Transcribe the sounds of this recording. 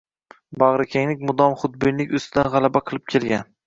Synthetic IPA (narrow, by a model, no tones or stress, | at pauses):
bɑʁɾɪkʲʰeŋnɪk̚ʲmʊd̪ɒmχʊd̪̚bɪnlɪkʲʊst̪ʰɪd̪anʁɑlˠabaqʰɨlˠɪp̚kʲʰelɡʲan